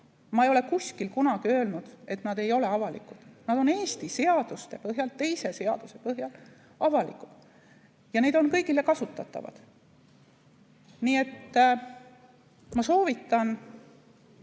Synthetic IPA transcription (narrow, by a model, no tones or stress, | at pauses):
mɑejo̞le̞kusʲkilkunɑɡ̥iø̞ːlnud̪̥e̞t̪nɑd̪̥e̞jo̞le̞ɑvɑlḭkˑud̪̥nɑd̪̥o̞ne̞ːst̪ise̞ɑd̪̥ust̪e̞pɤɦjɑlt̪e̞jse̞se̞ɑ̰d̪̥use̞pɤɦjɑl | ɑvɑlḭkˑu̥d̪̥ | jɑne̞d̪o̞nkɤjɡ̥ile̞kɑsut̪ːˑɑt̪ːˑɑ̰vɑ̰d̪̥ | niːe̞t̪ː | mɑso̞ːvit̪ˑːɑn